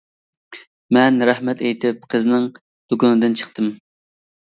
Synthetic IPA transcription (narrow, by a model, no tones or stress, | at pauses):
mɛnɾæhmɛt̪ʰejt̪ʰɪp̚qʰəznɪŋ | d̪̥okʊnɨd̪ɨnt͡ʃʰə̥χt̪ɨm